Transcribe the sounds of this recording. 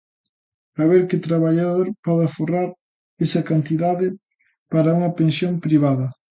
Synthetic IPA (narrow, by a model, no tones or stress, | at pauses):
aβeɾkɪt̪ɾaβaʎaðoɾpɔðaforaɾ | esɐkant̪iðaðɪ | paɾɐuŋɐpensjompɾiβaðɐ